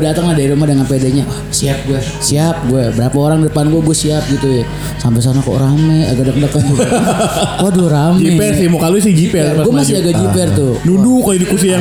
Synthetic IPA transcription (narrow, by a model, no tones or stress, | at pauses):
dat̪əŋladaiɾumahdəŋanpedaɲa | siap̚ɡua | siap̚ɡuabəɾapaoɾaŋdidəpanɡuaɡuɛsiap̚ɡit̪uja | sampɛs̬anakɔ̰ʔɾamɛa̰ɡadək̚dəkanɡu | aduɾamd͡ʒiɛpɛrsɪmokalusɪd͡ʒipɛrɡɡuamasiaɡad͡ʒipɛrt̪ʊnudukaidukus̬ia